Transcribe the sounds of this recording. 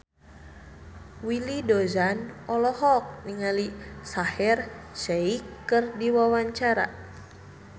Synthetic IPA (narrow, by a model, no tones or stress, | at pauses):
wilidozanɔlɔhɔk̚niŋalisahɛrʃeikːɨrdiwawaɲt͡ʃaɾa̰